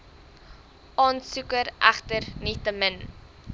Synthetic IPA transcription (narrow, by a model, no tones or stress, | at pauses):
ʔɑːnsukəɾʔæ̰χtərnitəmən